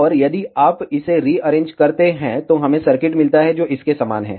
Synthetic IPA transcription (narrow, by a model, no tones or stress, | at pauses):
ɔːɾjɐd̪iaːpɪseɾiːɐɾẽːɲd͡ʒkɐɾt̪eɦɛ̃t̪oɦɐmẽsɐɾkɪʈmɪlt̪aɦɛd͡ʒoːʔɪskesaːma̰ːnɦɛ̰̃ː